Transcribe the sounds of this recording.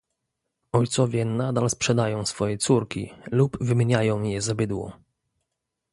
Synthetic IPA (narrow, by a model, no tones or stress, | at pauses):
ɔjt̪sɔvʲjɛnad̪alspʂɛd̪ajɔ̃w̃sfɔjɛt̪suɾkʲilubvɘmʲeɲajɔ̃w̃jɛzabɘd̪wɔ̰